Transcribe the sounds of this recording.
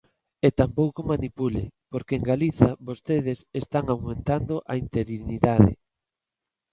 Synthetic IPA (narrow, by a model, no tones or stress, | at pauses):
et̪ampowkomanipulɪpoɾkeeŋɡaliθaβost̪eð̞ɪsest̪aŋawmẽnt̪and̪oʔaint̪eɾiniðaðɪ̰